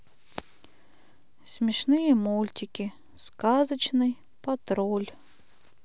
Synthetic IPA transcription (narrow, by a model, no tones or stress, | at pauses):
sʲmʲɪʂnɨjəmulʲtʲɪkʲɪ | skazət͡ɕnɨj | pɐt̪ɾolʲ